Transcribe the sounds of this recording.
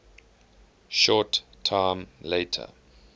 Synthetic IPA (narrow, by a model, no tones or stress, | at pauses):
ʃɔtʰːãɪmleɪtʰə̰